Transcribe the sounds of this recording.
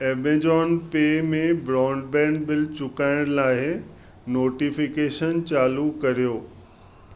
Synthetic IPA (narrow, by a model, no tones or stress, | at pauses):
eːbẽd͡ʑɔːnpeːmẽbɾɔːɳɖbɛ̃ːɳɖ̚bɪlt͡ɕʊkaːɪɽ̃laːɦɪ | noːʈifɪkeːʃənt͡ɕaːlukɐɾijoː